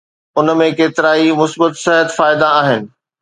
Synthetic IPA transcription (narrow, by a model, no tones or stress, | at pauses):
ʊnəmẽkeːt̪ɪɾaːimʊsbət̪sɪɦət̪faːɪd̪aaːɦɪnɪ̆